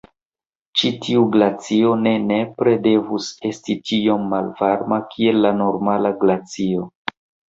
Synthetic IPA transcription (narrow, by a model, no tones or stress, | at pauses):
t͡ʃitʰiuɡlat͡sio̞ne̞ne̞pɾe̞de̞vuse̞stit͡ʃio̞mːalvaɾmakʰie̞lːano̞ɾmalaɡlat͡sio̞